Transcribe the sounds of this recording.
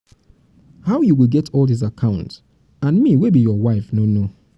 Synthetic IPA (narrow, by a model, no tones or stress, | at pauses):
haʊjuwiɡɛtʰɔlˠdis̬akʰãʊ̃nt | ãnmiwebijɔwaɪfnono